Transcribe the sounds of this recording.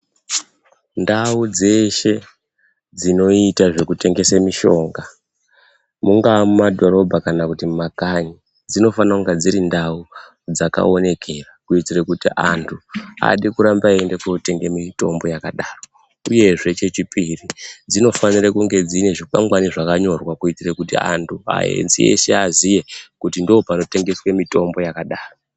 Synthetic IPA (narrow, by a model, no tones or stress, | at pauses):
ndaud͡ze̞ʃe̞ | d͡zino̞itaʐe̞kute̞ŋɡe̞samiʃo̞ːŋɡa | muŋɡamumadʱo̞ɾo̞bʱakanakutimakani | d͡zino̞fanauŋɡad͡ziɾindau | d͡zaka̰o̞ne̞kʰe̞rakuit͡sirekutiʔa̰ntʰua̰ɗikuɾambaendekote̞ŋɡe̞mito̞mbo̞jakaɗaːro | uje̞ʐe̞t͡ʃe̞t͡ʃipirid͡zino̞fanirekuŋɡe̞d͡zine̞ʐipa̰ŋɡwaniʐakaɲo̞rwakuitirekutḭa̰ntʰua̰ḛnzḭe̞̰ʃe̞̰azijekutindoopano̞te̞ŋɡe̞swe̞mito̞mbo̞jakaɗaːro